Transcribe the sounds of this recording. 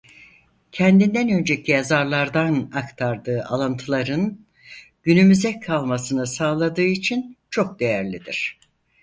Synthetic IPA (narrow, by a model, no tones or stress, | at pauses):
cʰɛnd̪ind̪ænø̞nd͡ʒecʰijazaɾlˠaɾd̪anakt̪ʰaɾd̪ɯːʔa̰lˠɯnt̪ʰɯlˠaɾɯn | ɟ̥ynymyzɛkʰalˠmasɯnɯsaːlˠad̪ɯːit͡ʃʰint͡ʃʰo̞k̚d̪e̞jæɾlʲid̪iɾ̝̥